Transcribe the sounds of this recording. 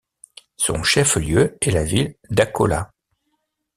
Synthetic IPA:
sɔ̰̃ʃɛfljøɛlavild̪akɔ̰la̰

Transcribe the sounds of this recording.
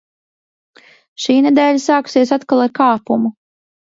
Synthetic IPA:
ʃiːnɛd̪ɛːʎʲasaːku̥siɛsat̪kalˠaɾkaːpumu

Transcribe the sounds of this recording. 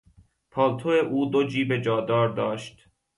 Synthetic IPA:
pʰɒːlt̪ʰoeʔuːd̪od͡ʒiːbe̞d͡ʒɒːd̪ɒːɾd̪ɒːʃt̪

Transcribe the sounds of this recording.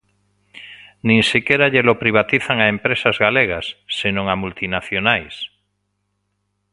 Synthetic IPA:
nĩŋsikeɾaʎelopɾiβ̞at̪iθaŋaempɾesazɣaleɣ̞asːenõŋamult̪inaθjonajs

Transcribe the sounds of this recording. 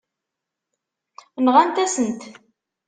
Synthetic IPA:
nʁænt̪æsənt̪

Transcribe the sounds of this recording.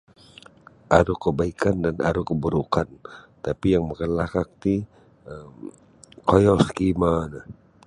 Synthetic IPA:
ʔaɾukəbaikandana̰ɾukəbəɾukant̪apijaŋməŋəlakak̚t̪i | əm | kojɔsə̥kimanə

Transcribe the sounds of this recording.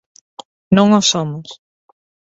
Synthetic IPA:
nõŋosomʊs

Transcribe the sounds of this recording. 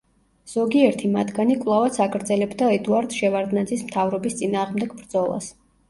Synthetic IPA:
z̥ɔɡiɛɾt̪ʰimat̪ʰɡanikʼvlˠavat̪sʰakɾd̪zɛlɛbd̪aɛd̪uaɾd̪ʃɛvaɾd̪nad̪zismt̪ʰavɾɔbist̪sʼinaːʁmd̪ɛɡbɾd̪zɔlˠa̰s

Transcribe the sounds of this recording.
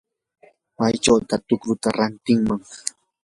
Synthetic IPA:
majt͡ʃawt̪at̪ʊkɾʊt̪aɾant̪ɪŋmaŋ

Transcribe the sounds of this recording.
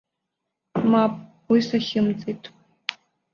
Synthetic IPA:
mapʼ | wisaχʲɪmt͡sʼejtʼ

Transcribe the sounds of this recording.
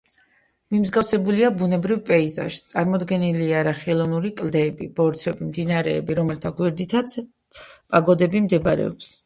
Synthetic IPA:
mimzɡavsɛbuliabunɛbɾivpʼɛiza̰ʃt̪sʼaɾmɔd̪ɡɛniliaɾaχɛlˠɔnuɾikʼld̪ɛːbibɔɾt̪sʰwɛbimd̪inaɾɛːbiɾɔmɛlt̪ʰaɡwɛɾd̪it̪ʰat̪sʰ | pʼaɡɔd̪ɛbimd̪ɛbaɾɛ̰ɔps

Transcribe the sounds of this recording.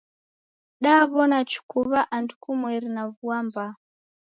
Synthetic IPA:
ɗaβɔnat͡ʃu̥kuβaʔandukumwɛɾinavuamba

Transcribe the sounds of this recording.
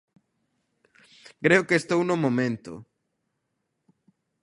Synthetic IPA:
kɾeʊkest̪ownomomẽnt̪o̰

